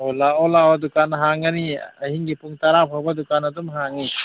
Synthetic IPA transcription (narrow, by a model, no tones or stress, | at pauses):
ɔlaɔlaɔdukanːɦaŋaniɐhiŋɡipuŋtaɾap̚ʰɔbadukanɐdumɦaŋi